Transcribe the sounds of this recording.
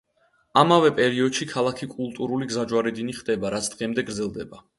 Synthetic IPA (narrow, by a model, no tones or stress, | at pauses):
amavɛpʼɛɾiɔd̪ʃikʰalˠakʰikʼulˠt̪ʼuɾuliɡzad͡ʒwaɾɛd̪iniχd̪ɛbaɾat̪sʰd̪̥ʁɛmd̪ɛɡɾd̪zɛlˠd̪ɛba